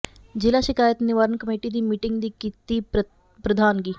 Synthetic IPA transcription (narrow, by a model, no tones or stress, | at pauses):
d͡ʒɪlaːʃɪkaːjət̪nɪʋaːɾənkəmeːʈid̪iːmiːʈɪŋɡd̪iːkit̪i | pɾəd̪ʱaːnɡiː